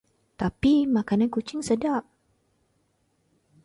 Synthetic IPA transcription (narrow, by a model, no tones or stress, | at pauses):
t̪apimakanankut͡ʃɪŋsədap̚